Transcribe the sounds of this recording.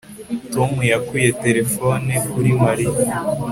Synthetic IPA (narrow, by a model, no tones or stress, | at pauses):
tomujakuje̞te̞ɾe̞fonekuɾimaɾij